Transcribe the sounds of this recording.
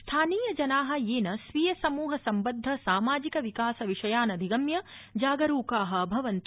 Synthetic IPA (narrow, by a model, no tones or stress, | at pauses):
st̪ʰaːniːjɐd͡ʒɐnaːɦɐ̆jeːnɐsʋijɐsɐmuːɦɐsɐmbɐd̪ʱːɐsaːmaːd͡ʒikɐʋikaːsɐʋiʂɐjaːnɐd̪ʱiɡɐmjɐd͡ʒaːɡɐɾuːkaːɦɐ̆bʱɐʋɐnt̪